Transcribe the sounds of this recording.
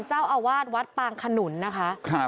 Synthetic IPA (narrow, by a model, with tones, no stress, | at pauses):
nt͡ɕaː˥˩wʔaː˧waː˥˩t̪̚wa˦˥t̪̚paː˧ŋkʰa˧nu˩˦nːa˦˥kʰa˦˥ʔkʰa˧na˨